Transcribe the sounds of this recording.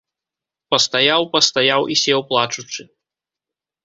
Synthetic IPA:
pɐst̪ajawpɐst̪ajawʔisʲɛwplˠat͡ʂut͡ʂɨ

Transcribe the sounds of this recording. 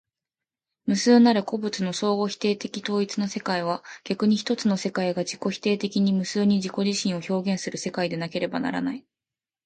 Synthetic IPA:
mɯ̟sɨːnaɾɯ̟ko̞bɯ̟t͡sɨno̞so̞ːɡo̞çʲi̥t̪e̞ːt̪e̞kʲit̪o̞ːit͡sɨno̞se̞kaiβ̞aɡ̥ʲakɯ̟ɲ̟içi̥t̪o̞t͡sɨno̞se̞kaiɡad͡ʑiko̞çi̥t̪e̞ːt̪e̞kʲiɲ̟imɯ̟sɨːɲ̟id͡ʑiko̞ʑiɕĩɰ̃o̞ço̞ːɡẽ̞ɰ̃sɨɾɯ̟se̞kaid̪e̞nake̞ɾe̞ba̰na̰ɾa̰nai

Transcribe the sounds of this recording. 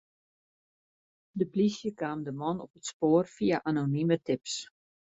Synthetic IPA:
dəplisjəkaːmdəmɔnɔpətspoːərfiaʔanonimətɪps

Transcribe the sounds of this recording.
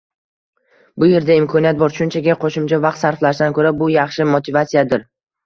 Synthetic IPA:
bʊje̞ɾd̪aɪmkʰɒniat̪̚bɒɾʃʊnt͡ʃʰakɡʲaqʰoʃɪmt͡ʃʰavɑq̚t̪saɾflaʃd̪ankʰɵɾabʊjɑχʃɪmot̪ʰɪvat̪sijad̪ɪɾ

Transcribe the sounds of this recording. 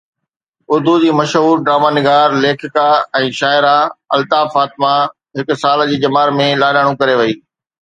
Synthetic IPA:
ʊɾd̪ʱud͡ʑiːmɐʃɦuːɾɖɾaːmaːnɪɡaːɾleːkʰɪkaɛ̃ːʃaːɪɾaɐ̰lt̪aːfaːt̪ɪma | ɦɪkʊsaːld͡ʑiːd͡ʑɐmaːɾmẽlaːlaːɽ̃ũkɐɾeʋɐiː

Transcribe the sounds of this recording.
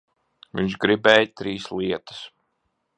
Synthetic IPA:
ʋiɲʲʃɡɾibɛːjt̪ɾiːsliɛt̪ə̥s

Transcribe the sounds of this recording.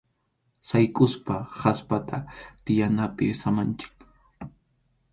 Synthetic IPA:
sajkʼʊspahaspat̪ʰat̪ɪjanapɪsamant͡ʃɪ̥k

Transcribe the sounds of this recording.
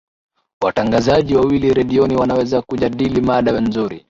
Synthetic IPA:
wataŋɡazaʄiwawiliɾɛɗiɔniwanawɛzakuʄaɗilimaɗawɛnzuɾḭ

